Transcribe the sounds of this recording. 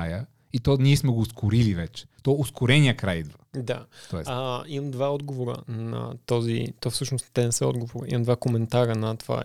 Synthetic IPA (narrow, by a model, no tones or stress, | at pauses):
ajə | it̪ɔniɛsmɛɡoːskʰʊɾilivɛt͡ʃɛ̥t̪ɔʊskʊɾɛnijəkɾajd̪vad̪a̰t̪ɔɛəimɐmd̪vaɔd̪ɡovoɾə̰nɐ̰t̪ɔzḭt̪ɔfsɤʃnost̪ɛnɛsɛɔ̰d̪ɡovoɾḭmɐmd̪vakomɛnt̪aɾənɐt̪ova̰